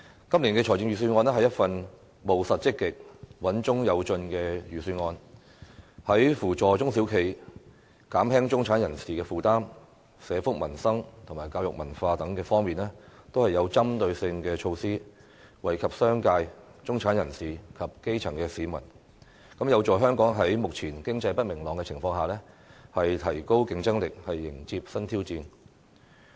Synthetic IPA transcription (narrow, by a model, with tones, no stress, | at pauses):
kɐ˥mliː˨˩nkɛː˧t͡ʃʰɔː˨˩jt͡sɪ˧ŋjɥyː˨s̬yː˧nŋɔː˧nɛː˥ɦɐ˨jɐ˥t̚fɐ˧n | mo˨wsɐ˨t̚t͡sɪ˥kːɪ˨k̚wɐ˨˥nt͡ʃʊ˥ŋjɐ˨˧wt͡ʃɵ˧nkɛː˧jyː˨˩syː˧nŋɔː˧n | hɐ˨˥jfuː˨˩t͡ʃɔː˨t͡sʊ˥ŋsiː˨˥wkʰe˨˩j | kaː˨˥mhɛː˥ŋt͡ʃʊ˥ŋt͡sʰaː˨˥njɐ˨˩nsiː˨˩kɛː˧fuː˨t̪aː˥m | sɛː˨˧fʊ˥k̚mɐ˨˩nsɐ˥ŋt̪ʰʊ˨˩ŋmaː˨˩jkaː˧wjʊ˨k̚mɐ˨˩nfaː˧t̪ɐ˨˥ŋkɛː˧fɔː˥ŋmiː˨nlɛː˥t̪o˥whɐ˨jɐ˨˧wt͡sɐ˥mt̪ɵ˧ɥsɪ˧ŋkɛː˧t͡ʃʰo˧wsiː˥ | wɐ˨˩jkʰɐ˨p̚sœː˥ŋkaː˧j | t͡sʊ˥ŋt͡sʰaː˨˥njɐ˨˩nsiː˨˩kʰɐ˨p̚ke˥jt͡sʰɐ˨˩ŋkɛː˧siː˨˥mɐ̰˨˩n | kɐ˨˥mjɐ˨˧wt͡sɔː˨jɦœː˥ŋkɔː˨˥ŋɦɐ˨˥jmʊ˨k̚t͡sʰiː˨˩nkɪ˥ŋt͡sɐ˧jpɐ˥t̚mɪ˨˩ŋlɔː˨ŋkɛː˧t͡sʰɪ˨˩ŋfɔː˧ŋɦaː˨lɛː˥ | hɐ˨jt̪ʰɐ˨˩jko˥wkɪ˧ŋt͡sɐ˥ŋlɪ˨k̚hɐ˨jːɪ˨˩ŋt͡siː˧p̚sɐ˥nt̪ʰiː˥wt͡siː˧n